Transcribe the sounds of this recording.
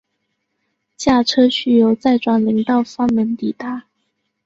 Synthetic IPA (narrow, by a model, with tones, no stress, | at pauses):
t͡ɕja˥˩ʈ͡ʂʰɤ˥ɕy˥˩jo˧˥ʊt͡sa˥˩ɪʈ͡ʂwa˨˩nli˧˥ŋt̪ɑ˥˩ʊfɑ˥ŋmə˧˥nt̪i˨˩t̪a˥˩